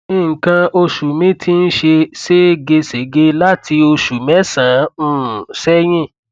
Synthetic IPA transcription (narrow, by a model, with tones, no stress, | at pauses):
nĩ˦˨ŋ̩˨kã˧o˧ʃu˨mĩ˨˦tʰi˦n̩˦ʃe˧se˦ɡe˧se˨˦ɡe˧˦la˦ti˧o˧ʃu˨mɛ˨˦sã˨˦ũ˦˨sɛ˦j̃ĩ˦˨